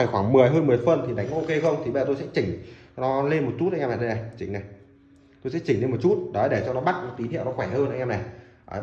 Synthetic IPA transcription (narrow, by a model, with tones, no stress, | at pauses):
aː˧˩jxwaː˧˩ŋmɨ˨˩əjɦəː˧nmɨ˨˩əjfə˨˩nt̪ʰi˨˩ɗa˨˦jŋ˧ʔo˧ke˧xə˧wŋ͡mt̪ʰi˨˩ɓə˧zt̪o˧sɛ̰˧˥t͡ɕï˧˩ŋ̟nɔ˨˦le˧nmo˨˩t̚t͡ɕu˦˥t̚ʔa˧ŋɲaː˧ma̰˧˨ɗə˧na˨˩jt͡ɕï˨˦ŋ̟na˨˩j | t̪o˧jsɛ̰˧˥t͡ɕï˨˩ŋ̟le˧mo˨˩t̚t͡ɕu˦˥t̚ɗɔ˨˦˨ɗe˧˩t͡ɕɔ˧nɔ˨˦ɓa˦˥k̚nɔ˨˦t̪wi˨˦nɦḭ˧˨wnɔ˨˦xwɛ˧˩həː˧nʔjɲaː˧nɛ˨˩j